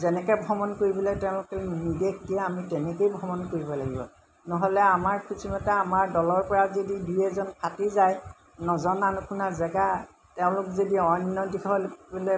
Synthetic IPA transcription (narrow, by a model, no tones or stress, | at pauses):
zɛnɛkɛbʱɔmɔnkoɹibilɛtɛʊ̃lʊkɛnidekʰdiaamitɛnɛkejbʱɔmɔnkoɹibɔlaɡibɔ̰ | nɔɦɔlɛamaɹkisimɔtɛamaɹdɔlɔɹpɔɹazodidujɛzɔnpʰatizaj | nɔzɔnanukʰunazɛɡa | tɛʊ̃lʊkzodiɔnjɔdikʰɔlblɛ